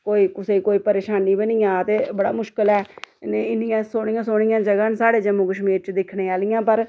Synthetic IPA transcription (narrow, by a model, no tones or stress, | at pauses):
koːiːkʊseːkoːiːpəɾeːʃaːniːbənɪjãːət̪eːbəɽa̰ːmʊʃkəlɛːneɪnɪjãːsoːɽ̃ijãːsoːɽɪjãːd͡ʒəɡaːnsaːɽeːd͡ʒəmũːkəʃmiːɾt͡ʃd̪ɪkʰɽeːaːlɪjãːpəɾ